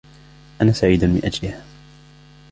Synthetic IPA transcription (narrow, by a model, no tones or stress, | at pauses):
ʔanaːsaʕiːd̪anmɪ̰nʔad͡ʒlɪhaː